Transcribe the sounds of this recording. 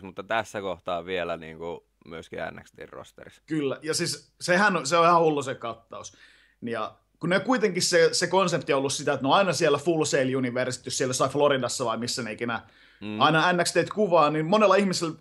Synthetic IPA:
mut̪ːɑt̪æsːækoht̪ɑːʋʋielænḭːŋku | myøskḭæ̰nːæ̰kst̪ḛːrro̰st̪ḛriskylːæjɑsis | sehænoseoihɑhulːosekɑt̪ːɑus | nijɑ | kuneokuit̪eŋkissesekonsept̪iolːussit̪æet̪neonɑinɑsielːæfulseiljuniʋersi̥t̪ːyssielːjosɑifloɾidɑsːɑʋɑimisːæneikenæ | ɑinɑænːækst̪eit̪kuʋɑːnimmonelːˑɑihmisel

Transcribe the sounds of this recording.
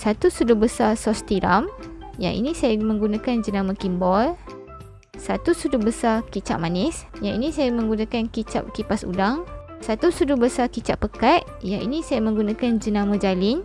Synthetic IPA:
sat̪usudʊbəsasɔst̪iɾa̰m | ja̰ŋʔḭnisajamə̃ŋɡunãkand͡ʒənamakimbɔl | sat̪usudʊbəsakit͡ʃa̰ʔmanɪsjaŋinĩsajamə̃ŋɡunãkankit͡ʃa̰p̚kipasṵdaŋ | sat̪usudubəsakit͡ʃaʔpəkat̪ | jaŋʔḭnisajamə̃ŋɡunãkand͡ʒənamãd͡ʒalɪn

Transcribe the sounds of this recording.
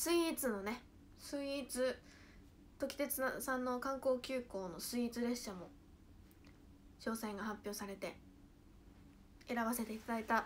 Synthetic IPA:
sɨit͡sɨno̞ne̞ | sɨiːt͡sɨ | t̪o̞kʲi̥t̪e̞t͡sɨ̥sãnːo̞kãŋko̞ːkʲɨːko̞ːno̞sɨiːt͡sɨɾe̞ɕɕamo̞ | ɕo̞ːsaiŋɡahapʲjo̞ːsaɾe̞t̪e̞ | e̞ɾaβase̞t̪e̞it̪ad̪ait̪a

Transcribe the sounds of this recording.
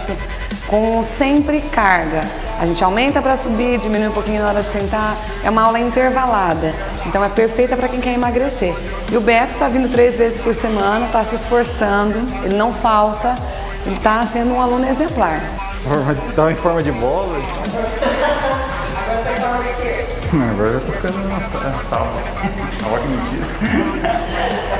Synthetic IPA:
t̪ʊ | kõw̃sẽmpɾɪkaɾɡɐ | a̰ʒẽnt͡ʃɪawmẽnt̪ɐpɾɐsubid͡ʒiminuijũpokĩɲʊnaɔɾɐd͡ʒɪsẽnt̪a | ɛ̰ũmɐawlɐĩnt̪eɾvalad̪ɐ | ẽnt̪ɐ̃w̃ɛpeɾfejt̪ɐpɾɐkẽj̃kɛɾimaɡɾeseɾ | ɪʊbɛɾt̪ʊ̥t̪avĩnd̪ʊt̪ɾejzvezɪspoɾsemɐ̃nɐt̪asɪsfoɾsɐ̃d̪ʊ | elɪnɐ̃w̃fawt̪ɐ | elɪt̪asẽnd̪ʊũalũnʊezẽmplaɾ | fɔɾmɐd͡ʒt̪avẽfɔɾmɐd͡ʒɪbɔlɐa̰ | aɡɔɾɐsat̪aikeɾ | ɐ̃aɡɔɾvat̪ofi̥kɐ̃d̪nũmɐsasa̰vɐ | a̰ɡɔɾkɪmẽt͡ʃiɾɐ

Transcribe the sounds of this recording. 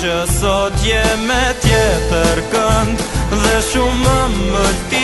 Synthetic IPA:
əsɔt̪jɛmɛt̪jɛt̪əɾkənd̪ðɛʃuməməɾt̪i

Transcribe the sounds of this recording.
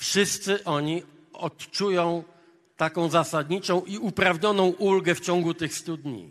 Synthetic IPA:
fʂɘst̪sɘʔɔɲi | ɔtt͡ʂujɔ̃w̃ | t̪akɔ̃w̃zasad̪ɲit͡ʂɔ̃w̃ʔiupɾavɲɔnɔ̃w̃ʔulɡɛft͡ɕɔ̃ŋɡut̪ɘxst̪ud̪ɲḭ

